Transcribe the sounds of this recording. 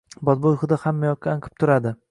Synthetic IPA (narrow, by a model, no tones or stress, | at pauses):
bɒt̪̚bojχɨd̪ahamːajɒkʲːaaŋqʰɨ̥p̚t̪ʰʊɾad̪ɪ